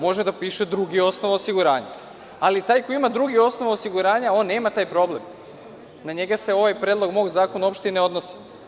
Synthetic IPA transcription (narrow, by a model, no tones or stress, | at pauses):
mo̞ʒed̪apiːʃed̪ɾuɡio̞snoʋaosiɡuɾaːɲa̰ | alit̪aːjkoiimad̪ɾuɡio̞sno̞ʋaosiɡuɾaːɲao̞ːnːe̞ːmat̪aːjpɾo̞ble̞m | naɲeɡase̞o̞ʋajpɾeːd̪lˠo̞ɡmo̞ːɡzaːkonaopʃt̪ineo̞d̪nosi̥